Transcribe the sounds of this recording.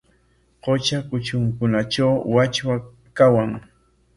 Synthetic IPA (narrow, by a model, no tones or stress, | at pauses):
qot͡ʃakʊt͡ʃʊŋkʊnaʈ͡ʂawwat͡ʃwa | kawaŋ